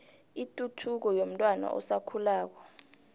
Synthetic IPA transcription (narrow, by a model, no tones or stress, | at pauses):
itʼutʰuk̬ɔjom̩tʼwana̰ʔɔ̰sakʰulaːk̬ɔ̥